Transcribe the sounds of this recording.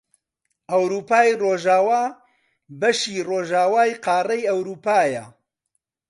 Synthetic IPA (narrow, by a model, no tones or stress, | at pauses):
ɐwɾuːpaːjroːʒaːwaː | bɐʃiːroːʒaːwaːjqaːrɐjɐwɾuːpaːjɐ̰